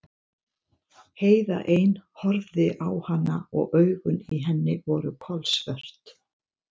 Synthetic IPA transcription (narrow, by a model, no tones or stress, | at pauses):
heːjða̰ʔejnhɔɾðɪʔawhanːaɔɣʔœːɥɣʏniɦɛnːɪvɔɾʏkʰɔlsvœr̥t̪